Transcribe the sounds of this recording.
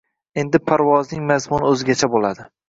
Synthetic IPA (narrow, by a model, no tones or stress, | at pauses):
e̞nd̪ɪpʰaɾvɒznɪŋmazmʊnɵzɪɡʲat͡ʃʰabolad̪ɪ